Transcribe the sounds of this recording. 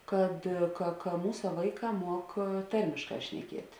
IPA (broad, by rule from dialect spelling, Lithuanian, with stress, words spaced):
ˈkɐt kɐ kɐ ˈmuːsɐ ˈʋɐɪˌkɑː ˈmuɔk ˈtɐrʲmʲɪʃˌkɑː ʃʲnʲɛˈkʲiɛtʲ